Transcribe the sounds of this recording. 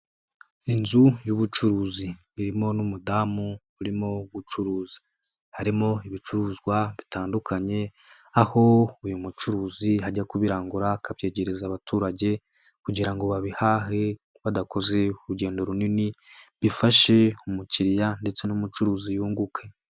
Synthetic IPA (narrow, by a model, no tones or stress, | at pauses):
inzujuβut͡ʃuɾuːziː | ɾimo̞numudamu | uɾimo̞ɡut͡ʃuɾuːzi̥ | haɾimo̞iβit͡ʃuɾuːzɡwaβitaːndukʰaɲe̞ | aho̞ujumut͡ʃuɾuːzihaɟakuβiɾaːŋɡuɾakʰaβje̞ːɟe̞ɾezaβatʰuːɾaɟe̞ | kuɟiɾaŋɡo̞βaβihaːɦe̞ | βadako̞ze̞uɾuɟe̞ːndo̞ɾuniniβifaʃe̞umuciɾijande̞t͡se̞numut͡ʃuɾuːzijuːŋɡukʰe̞